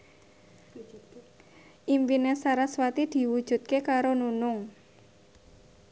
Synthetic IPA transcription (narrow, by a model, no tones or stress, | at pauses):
ʔimpinesaɾaswat̪id̪̥i̤wud̥ʒ̥ṳt̪̚kekaɾonunʊŋ